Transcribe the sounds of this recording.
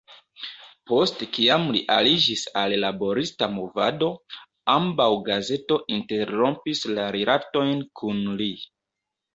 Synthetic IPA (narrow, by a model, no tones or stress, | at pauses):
po̞stkiamliʔalid͡ʒisalːabo̞ɾistamo̞vado̞ | ambawɡaze̞to̞ʔinte̞ɾo̞mpislaɾelʔato̞jnkʰunli